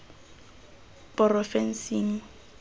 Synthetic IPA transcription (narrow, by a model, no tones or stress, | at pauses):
pʼɔrɔfɛn̩siːn̩